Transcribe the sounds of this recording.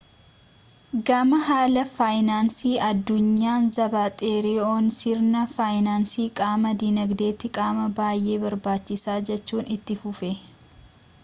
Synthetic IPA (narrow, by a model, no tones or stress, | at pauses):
ɡɐmɐhaːlɐfaːjnaːnsiːʔɐd̪ːʊɲːaːnzɐbaːt̪ʼeːɾɪoːnsɪɾnɐfaːjnaːnsiːkʼaːmɐd̪iːnɐɡd̪e̞ːt̪ɪkʼaːmɐbaːjʔe̞ːbɐɾbaːt͡ʃːɪsaːd͡ʒɛt͡ʃːuːnɪt̪ːɪfʊfɛ